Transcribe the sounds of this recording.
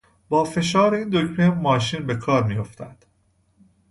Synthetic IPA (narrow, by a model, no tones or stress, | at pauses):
bɒːfe̞ʃɒːɾeiːnd̪ocmemɒːʃiːnbe̞kʰɒːɾmijoft̪ʰæ̰nd̪̥